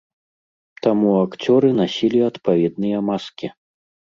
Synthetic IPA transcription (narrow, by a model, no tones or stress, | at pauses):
t̪amuakt͡sʲɔɾɨnasʲilʲiɐt̪pavʲɛd̪nɨjɐmaskʲi